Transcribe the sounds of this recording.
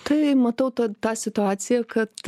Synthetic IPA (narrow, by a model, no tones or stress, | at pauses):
t̪ʰɐjmɐt̪ɐwt̪ɐt̪asʲɪt̪uaːt͡sʲijɐkʰɐt̪